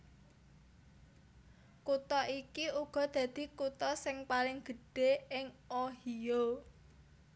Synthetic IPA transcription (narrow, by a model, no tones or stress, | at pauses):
kut̪ɔʔikiuɡ̥ɔ̤d̪̥a̤d̪̥i̤kut̪ɔsɪŋpalɪŋɡ̥ə̤ɖ̥e̤ɪŋoɦijo